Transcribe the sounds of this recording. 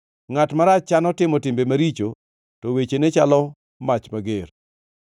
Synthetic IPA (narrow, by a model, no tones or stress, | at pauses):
ŋatmaɾat͡ʃt͡ʃanɔtɪmɔtɪmbemaɾit͡ʃo | tɔwet͡ʃenet͡ʃalɔ | mat͡ʃmaɡer